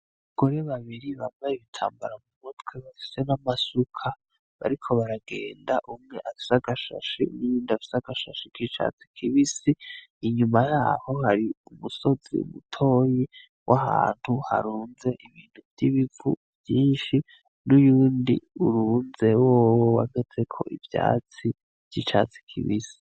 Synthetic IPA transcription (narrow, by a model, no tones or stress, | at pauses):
aɡ̥o̞ɾe̞βaβiɾiβamajiβitʰa̰ːmbaɾamumutweβafi̥se̞namasukʰa | βa̰ɾikʰo̞βaɾaɡe̞ːnda̰ʔumŋe̞ʔafi̥saɡaʃa̰ʃḭnujuːndiafi̥saɡ̥aʃaʃikit͡ʃa̰t͡si̥kʰiβisiː | ɲumajaːho̞haɾiumuso̞zḭṵmutʰo̞ːji | wʔaha̰ːn̥huha̰ɾuːnze̞ʔiβiːn̥huvjiβivṵvjiːnʃi | nujuːndiuɾuːnze̞woːwowa̰ɡe̞t͡se̞kʰo̞ʔivja̰ːt͡si | v̥jit͡ʃa̰t͡si̥kʰḭβisi̥